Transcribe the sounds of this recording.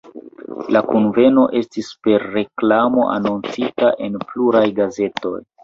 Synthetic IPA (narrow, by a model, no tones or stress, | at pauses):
lakunve̞no̞ʔe̞stispe̞ɾːe̞klamo̞ʔa̰nont͡sitaʔe̞npluɾajɡaze̞to̞̰j